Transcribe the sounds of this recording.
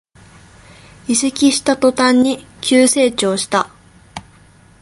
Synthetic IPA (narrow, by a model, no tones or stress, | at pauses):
isekʲiɕi̥t̪at̪o̞t̪ãɲ̟ːikʲɨːse̞ːt͡ɕo̞ːɕi̥t̪a